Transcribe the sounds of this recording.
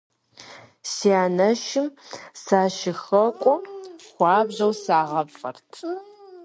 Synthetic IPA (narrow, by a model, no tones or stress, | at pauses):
siaːnɐʃɪmsaːʃɪxɐkʷʼʊxʷɑːbʑɐwsaːʁɐfɐrtʰ